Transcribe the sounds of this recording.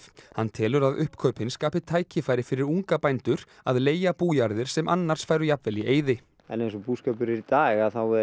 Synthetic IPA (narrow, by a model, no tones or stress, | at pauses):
hanːt̪ʰɛːlʏɾaðʏhpkʰœɥpɪnskaːpɪt̪ʰaːjcɪfaːjɾɪfɪɾɪɾuŋkapajnt̪ʏɾ | a̰ðleːjapuːjaɾðɪɾ̥sɛmʔa̰nːaɾ̥sfaːjɾʏjapvɛliʔeːjðɪ | ɛnejnsɔpuːskœpʏɾɛɾit̪aːɣaθawɛ